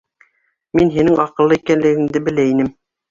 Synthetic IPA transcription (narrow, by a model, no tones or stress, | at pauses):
minɦinɘŋɑqɤ̆lˠːɤikænlɘ̆ɡɘ̆ŋd̪ɘbɘ̆læinɘm